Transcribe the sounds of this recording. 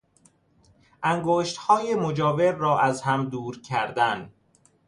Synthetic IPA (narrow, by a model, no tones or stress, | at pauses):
ʔæŋɡoːʃt̪hɒːjemod͡ʒɒːveɾːɒːʔæzhæmd̪uːɾcʰæɾd̪æn